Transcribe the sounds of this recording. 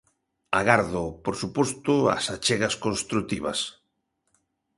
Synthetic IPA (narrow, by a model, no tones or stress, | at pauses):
aɣaɾðopoɾsupost̪ʊa̰sat͡ʃeɣɐskõnst̪ɾut̪iβɐ̰s